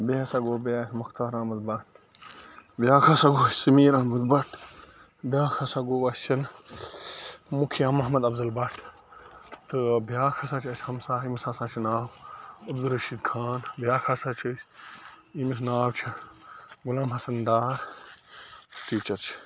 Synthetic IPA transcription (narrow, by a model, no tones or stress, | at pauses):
besaːɡoːbeasʲmɐxt̪aːɾaːmɐd̪bɐʈʰ | bjaːkʰaːsaːɡoːssɐmiːɾaːmɐd̪bɐʈʰ | bʲjaːkʰaːsaːɡoːʋɐst͡ʃʰɐn | mukʰiɐmɐɦmɐd̪ɐbzɐlbɐʈʰ | t̪ɨbjaːkʰasaːt͡ʃʰɐsʲhɐmsaːimsaːsãːt͡ʃʰinaːbɐbzɐlɾɐʃiːd̪kʰaːnbjaːkʰasaːt͡ʃʰɐsʲ | imis̬naːwt͡ʃʰi | ɡʊlaːmɦɐsɐnɖaːɾ | ʈiːt͡ʃɐɾt͡ʃʰi̥